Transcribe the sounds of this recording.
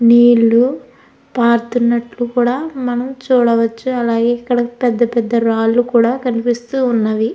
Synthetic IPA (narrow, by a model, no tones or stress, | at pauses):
niːlːu | paːɾt̪unːɐʈlukuːɽaːmɐnɐmt͡ʃuːɽɐʋɐt͡ʃːuɐlaːɡeikːɐɽɐpɛd̪ːɐpɛd̪ːɐɾaːlːukuːɽaːkɐnipist̪uːnːɐʋi